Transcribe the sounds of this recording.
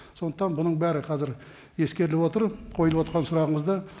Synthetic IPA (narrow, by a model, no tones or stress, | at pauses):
so̞nd̪əqt̪ɑnbʊnəɴbæɾɪqʰɑzɪɾ | e̞skʲe̞ɾɪlɪpwo̞t̪əɾqʰojəlˠəpwot̪ɾʁɑnsʊɾɑʁəɴəzd̪ɑ